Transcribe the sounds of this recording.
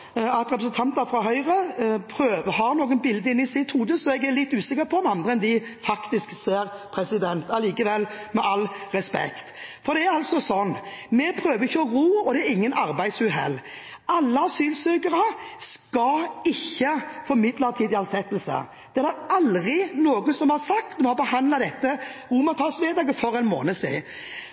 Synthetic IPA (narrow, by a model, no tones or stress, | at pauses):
ɑt̪ʁɛpɾəsn̩t̪ʰɑnt̪əɾfʁɑɦœʏʁəpʰɾøːʋəɦɑːnoːɡənbɪld̪əɪnːɪsɪt̪huːd̪əsɔɛɡæɾlɪt̪ːʉːsɪkːəɾpʰɔmɑnd̪ʁəɛnd̪ɪfɑkt̪ɪskseːɾpʰɾɛsɪd̪ɛnt̪ɑliːkəʋɛlːmɛʔɑlʁɛspɛ̰kt̪fɔɾd̪ɛæɾɑlsɔsɔnːmɛpʰɾøːʋəɾɪçːəɔʁuːɔd̪ɛæɾɪŋːənʔɑɾbæɪsʉːɦɛ̰lː | ɑlːəsyːlsøːkəɾɑskɑɪçːəfɔɾmɪd̪lɑt̪ʰiːd̪ɪɑnsɛt̪ːəlsə̰ | d̪̥ɛæd̪æɾɑlʁɪnoːɡəsɔmhɑɾsɑk̚t̪mɛhɑɾbəhɑnd̪lɑd̪ɛt̪ːəʁuːmɑt̪ʰɑːsmeːd̪ɑːɡəfɔɾɛɪnmo̰ːnəsɪ̰ɪ